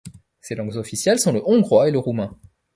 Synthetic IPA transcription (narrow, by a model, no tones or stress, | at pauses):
selɑ̃ɡzɔfisjɛlsɔ̃ləʔɔ̃ɡʁwaeləʁumɛ̃